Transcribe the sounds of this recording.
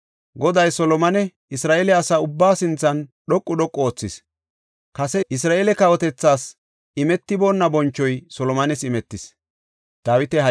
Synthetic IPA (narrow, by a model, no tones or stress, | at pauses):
ɡɔd̪ɐjsɔlɔmɐnɛ | ɪsɾaːʔeːlɛɐsaʊbːaːsɪnt͡sːɐnɗɔkʼːʊɗɔkʼːoːt͡sːɪs | kɐsɛɪsɾaːʔeːlɛkɐwɔt̪ɛt͡sːaːs | ɪmɛt̪ːɪbo̞ːnːɐbɔnt͡ʃːɔjsɔlɔmɐnɛsɪmɛt̪ːɪs | d̪̥aːwɪt̪ɛhɐ